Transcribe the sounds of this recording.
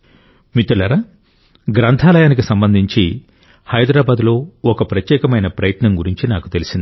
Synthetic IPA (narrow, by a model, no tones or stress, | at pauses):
mit̪ːulɐɾɐ | ɡɾɐnt̪ʰaːlɐjaːnikisɐmbɐnd̪ʱiɲt͡ʃi | hɐjd̪ɾaːbaːd̪lo̞ːɔkɐpɾɐt̪jɛːkɐmɐjnɐpɾɐjɐt̪nɐmɡuɾiɲt͡ʃinaːkut̪e̞lisind̪i